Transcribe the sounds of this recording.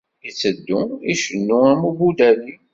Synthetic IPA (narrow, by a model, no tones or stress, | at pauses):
it͡sːəd̪ːuiʃənːuamubud̪æli